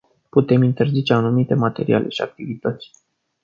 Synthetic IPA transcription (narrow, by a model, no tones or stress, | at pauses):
put̪e̞mint̪e̞rzit͡ʃe̞anumit̪e̞mat̪e̞̰ɾḭʔa̰lʔe̞̰ʃia̰k̚t̪ivit̪ət̪sʲ